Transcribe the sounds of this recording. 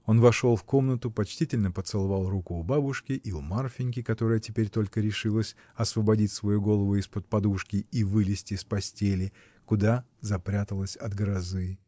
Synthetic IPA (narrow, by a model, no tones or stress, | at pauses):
o̞nvɐʂo̞lˠfko̞mnət̪ʊpɐt͡ɕtʲitʲɪlʲnəpət̪sɨlˠɐvɑlˠrukʊːbabʊʂkʲɪʔiʊmarfʲɪnʲkʲɪkɐt̪oɾəjətʲɪpʲeɾʲt̪o̞lʲkəɾʲɪʂɨlˠəsʲ | ɐsvəbɐdʲitʲsvɐjuɡo̞lˠəvʊɪspət̪̚pɐd̪uʂkʲɪivɨlʲɪsʲtʲɪspɐsʲtʲelʲɪ | kʊd̪azɐpɾʲat̪əlˠəsʲɐd̪ɡɾɐzɨ